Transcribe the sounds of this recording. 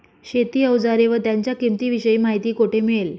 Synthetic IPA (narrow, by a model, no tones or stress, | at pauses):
ɕet̪iːəʋd͡zaɾeʋət̪jaɲt͡ɕjakimt̪iːʋiɕəjimaɦit̪iːkoʈʰemel